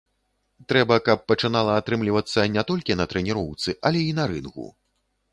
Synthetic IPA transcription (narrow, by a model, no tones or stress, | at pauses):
t̪ɾɛbɐkɐpːɐt͡ʂɨnalˠɐːt̪ɾɨmlʲivɐt̪sːɐnʲɛt̪ɔlʲkʲinɐt̪ɾɛnʲiɾɔwt̪sɨʔɐlʲɛinɐɾɨnkṵ